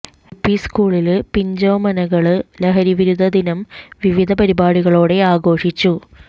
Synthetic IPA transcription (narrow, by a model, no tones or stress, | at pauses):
upːiskuːɭilpiɲd͡ʑoːmɐnɐɣɐɭɨlɐɦɐɾiʋiɾud̪ʱɐd̪inɐmʋiʋid̪ʱɐpɐɾibaːɽiɣɐɭoːɽe̞aːɡo̞ːʂit͡ɕːu